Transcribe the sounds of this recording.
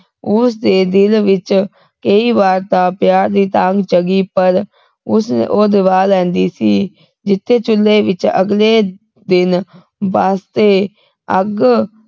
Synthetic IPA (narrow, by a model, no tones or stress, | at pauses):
ʊsd̪eːd̪ɪlʋɪt͡ʃ | kəiːbaːɾt̪ãːpjaːɾd̪iːt̪ãːŋɡt͡ʃəɡiːpəɾ | ʊsoːd̪ɪʋaːlɛ̃ːnd̪iːsiː | d͡ʒɪt̪ʰːeːt͡ʃʊlːeːʋɪt͡ʃə̰ɡleː | d̪ɪn | ʋaːst̪eː | əɡ